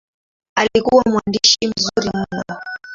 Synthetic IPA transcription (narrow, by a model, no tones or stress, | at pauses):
alikuwamwandiʃim̩zuɾimunnɔ